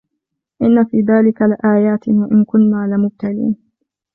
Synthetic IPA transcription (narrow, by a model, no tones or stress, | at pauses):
ʔɪnːafiːðaːlɪkalɪʔaːjaːt̪waʔɪnkʊnːaːlɪmʊb̚t̪alḭːn